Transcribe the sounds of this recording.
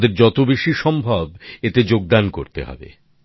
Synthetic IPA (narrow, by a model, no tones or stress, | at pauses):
d̪eɾd͡ʑɔt̪obeʃiʃɔmbʱabet̪ed͡ʑoɡ̚d̪anko̰ɾt̪ḛɦɔ̰bḛ